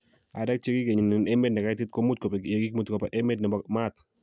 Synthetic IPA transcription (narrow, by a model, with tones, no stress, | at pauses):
a˨da˦k̚t͡ʃe˦ɡi˦ke˨ɲɪ˨nɪ˨ne˦me˦d̚nɛ˨ka˦tɪ˦t̪̚ko˦mu˦t̪̚ko˨pe˨kje˨ɡi˦kmu˦t̪ko˨pa˨ʔe˦me˦dnɪ˨bɔ˨kma˦˨t̪